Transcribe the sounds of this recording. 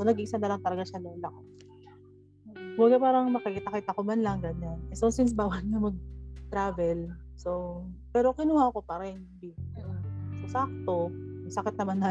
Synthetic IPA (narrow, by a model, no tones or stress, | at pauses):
onɐɡiʔsanːɐlɐŋt̪ɐlɐɡaʃɐnɛlɐko | wɐɡapaːɾɐŋmɐkɐkiːt̪ɐkiːt̪ɐkomɐnlɐŋɡɐɲanʔɛsonsɪns̬baːwɐlɲɐmɐɡ̚t̪ɾaːvɛlso̞pɛːɾokɪnuhako̞paɾɛn | bi | sɐsak̚t̪o̞nɐsɐkɪt̪̚nɐmanːa